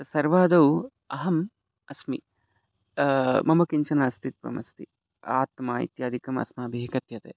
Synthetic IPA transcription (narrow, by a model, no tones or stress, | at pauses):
t̪ɐsɐɾʋaːd̪ɐw | ɐɦɐm | ɐsmi | mɐmɐkiɲt͡ʃɐnaːst̪it̪̚ʋɐ̰mɐst̪i | a̰ːt̪maːḭt̪jaːd̪ʱikɐmɐ̰smɐɐbʱiɦikɐt̪jɐt̪eː